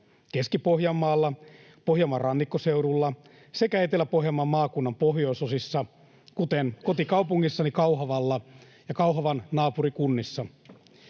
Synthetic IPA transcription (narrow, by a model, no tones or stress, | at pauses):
keskipohjɑmːɑːlːɑ | pohjɑmːɑrɑnːikːoseuɾulːɑ | sekæet̪elːæpoɦjɑmːɑmːɑːkunːɑmpoɦjoisosisːɑ | kut̪enko̞t̪ikɑupuŋːisːɑnikɑwɦɑʋɑlːɑ | jɑkɑuɦɑʋɑnnɑːpuɾikunːisːɑ